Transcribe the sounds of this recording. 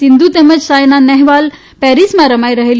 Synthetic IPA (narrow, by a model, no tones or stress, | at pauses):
ind̪ut̪eməd͡ʑsajnanɛɦʋal | pɛɾismaɾəmajɾəɦel